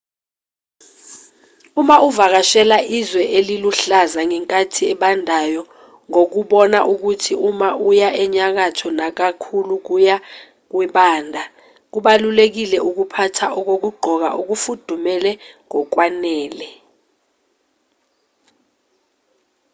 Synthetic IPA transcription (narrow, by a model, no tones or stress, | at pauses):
umaʔuvak̬aʃɛlaʔizwɛʔeliluɬazaŋɛŋkʼatʰiɛɓandʱajɔ | ŋok̬uɓɔnaʔuk̬utʰiumaʔujaʔɛɲak̬atʰɔnak̬akʰuluk̬uja | k̬wiɓaːndʱa | k̬uɓalulek̬ilɛʔuk̬upʰatʰaʔɔk̬ok̬uɡ͡ǃʱɔk̬a̰ʔuk̬ufud̥ʱumɛlɛŋɔk̬wanɛːlɛ